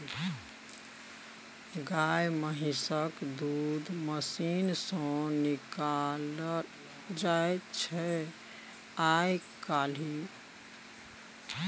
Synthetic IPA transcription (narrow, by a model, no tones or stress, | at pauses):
ɡajməɦisəkd̪ud̪məsinsə̃nikal | d͡ʒajt͡ʃʰɛ | ajkali